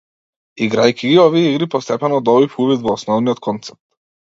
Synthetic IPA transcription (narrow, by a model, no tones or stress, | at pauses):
iɡɾajkʰʲiɡiɔviɛiɡɾipɔst̪ɛpɛnɔd̪ɔbifuvit̪vɔːsnɔvnijɔt̪kʰɔnt̪sɛ̥p̚t̪